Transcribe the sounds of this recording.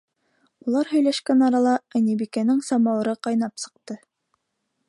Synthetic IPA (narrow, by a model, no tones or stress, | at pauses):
ulˠɑɾɦɵ̆jlæʃkænɑɾɑlˠɑɘnibikænɘŋsɑmɑwɤ̆ɾɤqɑjnɑpsɤ̆q̚t̪ɤ